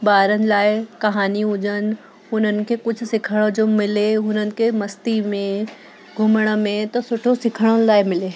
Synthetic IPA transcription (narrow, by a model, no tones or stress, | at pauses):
baːɾənɪ̆laːɪkɐɦaːniɦʊd͡ʑən̆ | ʊn̤ənɪ̆kʰekʊd͡ʑʱʊ̆sɪkʰəɽ̃od͡ʑoːmɪleʊn̤ənɪ̆kʰemɐst̪imẽ | ɡʱʊməɽ̃ə̆mẽt̪ɐsʊʈʰosɪkʰəɽ̃ənɪlaːɪmɪleː